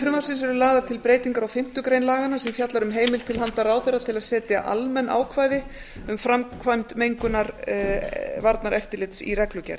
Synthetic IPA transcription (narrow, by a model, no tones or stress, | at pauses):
fɾʏmaɾsɪns̬ɛɾʏlaːðaɾ̥t̪ʰɪlpɾeːjt̪iŋkaɾawfɪm̥t̪ʏkɾejnlaːɣanːasɛmfjat̪laɾʏmɦeːjmɪlt̪ʰɪlɦant̪aɾaːwθejrːat̪ʰɪlaðsɛːt̪ɪa̰ʔa̰lmɛnːʔa̰ːwkʰvaːjðɪ | ʏmfɾamkʰvajmt̪mejŋkʏnaɾ | vaɾt̪naɾʔɛft̪ɪɾlɪt̪sḭrɛklʏcɛ̰ɾ